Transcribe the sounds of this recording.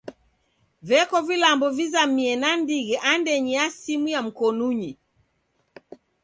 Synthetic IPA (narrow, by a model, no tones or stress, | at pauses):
vɛkɔvilambɔvizamiɛnandiɣɛʔandɛɲiasimujam̩kɔnuɲi